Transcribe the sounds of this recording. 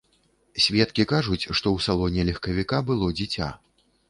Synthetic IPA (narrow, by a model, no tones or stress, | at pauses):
sʲvʲɛt̪kʲikaʐut͡sʲʂt̪ɔwsalˠɔnʲɛlʲɐxkɐvʲikabɨlˠɔd͡zʲit͡sʲa̰